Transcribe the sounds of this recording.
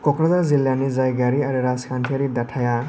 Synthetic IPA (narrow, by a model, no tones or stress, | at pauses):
kokɾɔd̪azilːanid͡zajɡaɾiaɾiɾaskʰanʈʰeɾidaʈʰaja